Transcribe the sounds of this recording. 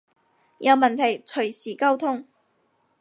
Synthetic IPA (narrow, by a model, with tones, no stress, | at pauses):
jɐ˨˧wmɐ˨nt̪ʰɐ˨˩jt͡ʃʰɵ˨˩ɥsiː˨˩kɐ˥wt̪ʰʊ˥ŋ